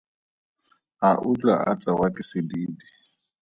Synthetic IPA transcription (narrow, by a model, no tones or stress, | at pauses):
aʔʊt͡ɬʼa̰ʔa̰t͡sʼawakʼɪsɪdiːdi